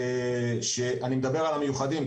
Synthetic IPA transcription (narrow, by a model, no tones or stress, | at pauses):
ʃe̞ʔanimed̪abe̞ʁalamejuχad̪im